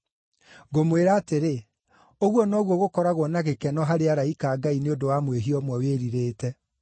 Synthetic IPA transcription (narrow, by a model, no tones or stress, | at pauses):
ɡomweɾaːteɾe | oɣwɔnɔːɣwɔɣokɔɾaɣwɔnaɣekɛnɔɦaɾeaɾaikaːɡaineodowamweɦiɔmwɛweɾiɾeːtɛ